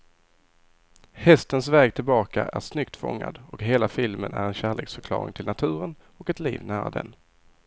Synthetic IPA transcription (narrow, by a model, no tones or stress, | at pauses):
hɛst̪ənsvɛːɡt̪ʰɪlbɑːkaʔæɾʂnʏkt̪fɔ̰ŋːa̰d̪ɔkɦeːlafɪlmənæɾɛnɕæːɭeːksfœɾkʰlɑ̰ːɾɪ̰ŋt̪ʰɪlnat̪ʰʉ̟ːɾən | ɔkɛt̪lḭːvnæːɾa̰d̪ɛ̰n